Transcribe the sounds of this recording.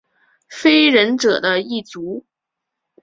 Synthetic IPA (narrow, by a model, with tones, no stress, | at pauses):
fe˥ɪɻə˧˥nʈ͡ʂɤ˨˩d̪ə˦i˥˩t͡su˧˥